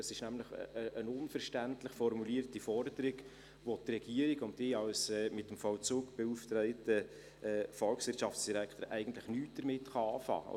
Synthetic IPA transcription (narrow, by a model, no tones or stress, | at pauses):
əsɪʃnæmləχəʔənʊnfəɾʃtæntləχfɔɾmuliːərtifɔrdəɾɪɡ | ʋotrɛɡ̥iəɾiɡʊntdɪːɑwsɛmɪtːəmfɔwt͡suːkb̥ɛuːftɾɛɪtə | ɛfɔlksʋɪɾtt͡ʃʃɑfsd̥iɾækʰtəɾʔæ̰ɪɡən̩tləχnyːt̚d̥əɾmɪtχɑɑːfɑ̰ː